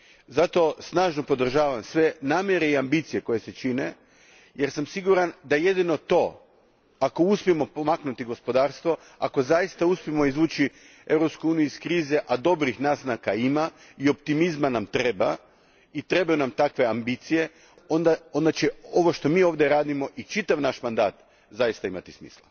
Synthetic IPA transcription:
zat̪o̞snaːʒno̞po̞d̪r̩ʒaːʋamsʋe̞naːmjeɾe̞iambit̪sije̞ko̞je̞se̞t͡ʃine | je̞ɾsamsiɡuɾand̪aje̞d̪ino̞t̪o̞ | ako̞uspijemo̞po̞maknut̪iɡo̞spo̞d̪aːɾst̪ʋo̞ | a̰ko̞zajist̪auspimo̞izʋuːt͡ʃi | e̞vɾo̞pskujuːniuiskɾiːze̞ʔad̪o̞bɾixnaznakaima | io̞pt̪imizmanamt̪ɾe̞ba | it̪ɾe̞bajunamt̪akʋe̞ambit̪sije̞ | o̞nd̪ao̞nd̪at͡ʃeo̞ʋo̞ʃt̪o̞miːo̞ːʋd̪jeɾaːd̪imo̞ʔit͡ʃit̪aʋnaʃmand̪aːt̪ | zajist̪aimat̪ismḭːslˠa̰

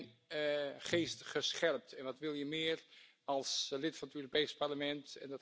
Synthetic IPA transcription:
χeːstχəsχɛlp̚tɛnʋɑtʋɪlˠjəmɪːɹ | ɑlˠslɪtfɑnətøːropeːspaɹləmɛntɛndɑt

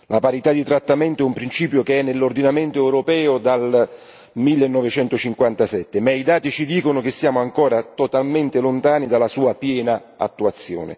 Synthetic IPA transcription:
lʔapaɾit̪ad̪it̪ɾat̪ːamɛnt̪oɛumpɾint͡ʃiːpjʊkeɛnːelːʊrd̪inament̪oɛwɾopɛːʊd̪al | milːenːɔvet͡ʃɛnt̪ʊt͡ʃiŋkwant̪asɛt̪ːɪmaid̪aːt̪it͡ʃid̪iːkonʊk̟esːjaːmʊaŋkɔːɾat̪ot̪alment̪ɪlʊnt̪aːnid̪alːasuːapjɛːna | a̰t̪ːuat̪sːjɔ̰ːnḛ

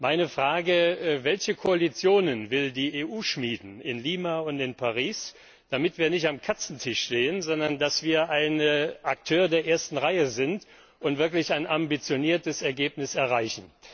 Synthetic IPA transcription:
maɪnəfʁ̥aːɡəvɛlçəkʰoalit͡sjoːnənvɪldiːeːʔuːʃmiːdn̩ɪnliːmaʊntɪnpʰaʁiːs | d̥amɪtv̥iːɐnɪçtamkʰat͡sn̩tʰɪʃʃteːənzɔndɐndasv̥iːɐʔaɪnʔak̚tʰøːɐdeːɐʔeːɐstn̩ʁaɪəzɪnt | ʔʊntv̥ɪɐk̬lɪçaɪnambit͡sjoniːɐtəsɛɐɡeːpnɪsɛɐʁaɪçn̩

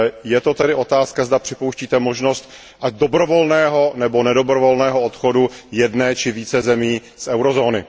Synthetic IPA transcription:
jɛt̪o̞t̪ɛdɪʔo̞t̪aːskazdapr̝̥ɪpowʃciːt̪ɛmo̞ʒno̞st̪ | ʔaɟdo̞bɾo̞vo̞lnɛːɦo̞nɛbo̞nɛdo̞bɾovo̞lnɛːɦoot̪xo̞dujɛdnɛːt͡ʃɪviːt͡sɛzɛmiː | sʔɛwɾozo̞ːnɪ̰

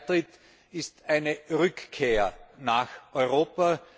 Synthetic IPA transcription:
tʁ̥ɪt | ɪstæɪnəʁʏkkʰːeːɐnaːxʔɔʏʁoːpa

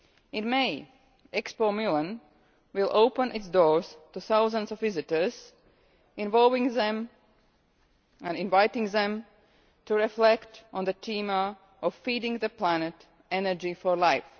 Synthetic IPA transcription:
ɪ̃nmeɪ | ɛkspomulə̃n | wɪlˠʔoʊpə̃nʔɪtsdɔɹz̥tuθaʊzə̃nzɔvːɪzɨtə˞z̥ | ɪ̃nvɔlˠvɪ̃ŋðɛ̃m | æ̃nɪ̃nvaɪtɪ̃ŋðɛ̃m | tuɹɪflɛktʔɔ̃nðətʰĩmə | ʔɔvfidɪ̃ŋðəplænɨt | ɛnə˞d͡ʒifɔɹlaɪf

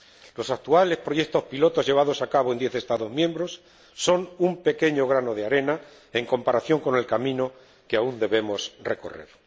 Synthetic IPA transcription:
lo̞sakt̪uale̞spɾo̞ʝe̞kt̪o̞spilo̞t̪o̞zʝe̞β̞að̞o̞sakaβ̞oe̞nd̪je̞θe̞st̪aðo̞zmjẽ̞mbɾo̞sː | o̞numpe̞ke̞ɲo̞ɣ̞ɾano̞ð̞eaɾe̞na | e̞ŋko̞mpaɾaθjo̞ŋko̞ne̞lkamĩno̞ | keaund̪e̞βe̞mo̞sre̞ko̞̰re̞̰ɾ

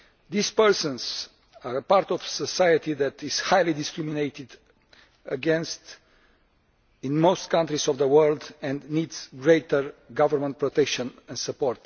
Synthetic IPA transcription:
d̪ispəɹsə̃nz | aɾpaɾt̪ɔv̥səsajət̪iðæt̪iz̥hajlid̪iskɾiminejt̪id̪ | əɡɛ̃nst̪ | ĩnmost̪kʰãnt̪ɾizɔvðəwɜɾld̪ɛ̃nd̪nid̪z̥ɡɾejt̪əɹɡavəɾmə̃nt̪̚pɾot̪ɛkʃə̃nɛ̃ndsəpɔɾt̪

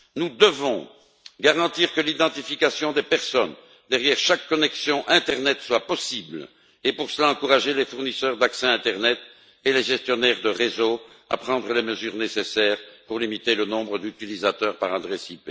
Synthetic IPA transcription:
nud̪əvɔ̃ | ɡaʁɑ̃t̪iʁkəlid̪ɑ̃t̪ifikasjɔ̃d̪epɛʁsɔn | d̪ɛʁjɛʁʃakːɔnɛksjɔ̃ʔɛ̃t̪ɛʁnɛt̪swapɔsibl | epuʁsəlaɑ̃kuʁaʒelefuʁnisœʁd̪aksɛ̃ɛ̃t̪ɛʁnɛt̪ | eleʒɛst̪jɔnɛʁd̪əʁezo | a̰pχɑ̃d̪ʁəleməzyːʁnesesɛːʁpuʁlimit̪elənɔ̃bʁəd̪yt̪ilizat̪œːʁpaʁad̪ʁesipe

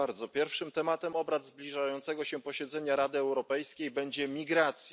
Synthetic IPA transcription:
aɾd̪zɔpʲjɛɾfʂɘmt̪ɛmat̪ɛmɔbɾad̪zblʲiʐajɔnt̪sɛɡɔɕɛpɔɕɛd̪zɛɲaɾad̪ɘɛwɾɔpɛjskʲejbɛɲd͡ʑɛmʲiɡɾat̪sʲj

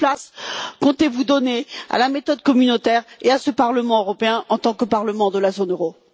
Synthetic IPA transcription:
plaskɔ̃t̪evud̪ɔnea̰lamet̪ɔd̪kɔmynot̪ɛʁeasəpaʁləmɑ̃øʁɔpeɛ̃ʔɑ̃t̪ɑ̃kəpaʁləmɑ̃d̪əlazonøʁo

